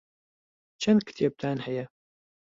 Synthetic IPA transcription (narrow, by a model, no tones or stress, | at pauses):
t͡ʃːænkːə̥θjæb̚t̪aʕnħjæ